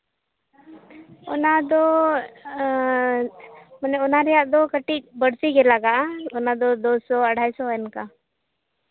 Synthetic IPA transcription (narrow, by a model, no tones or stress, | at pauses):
ɔnad̪ɔ | mənɛɔnaɾɛjaʔd̪ɔkəʈik̚bəɽ̤sikɛlaɡaʔɔnad̪ɔd̪osɔəɽ̤ʱaːisɔɛnka